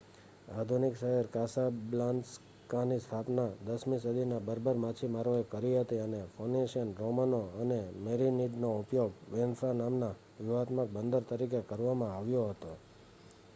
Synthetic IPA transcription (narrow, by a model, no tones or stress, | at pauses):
ad̪ʱunikʃəɦɛɾkasablans | kanist̪ʰapnad̪əsmisud̪ʱinabəɾbʱəɾmãt͡ʃʰimaɾoekəɾiɦət̪iənefʰoneʃənɾomənoənemeɾiniɖnoupjoɡʋenfɾanamna | ʋuʋat̪mək̚bənd̪əɾt̪əɾikekəɾʋamãaʋjoɦət̪o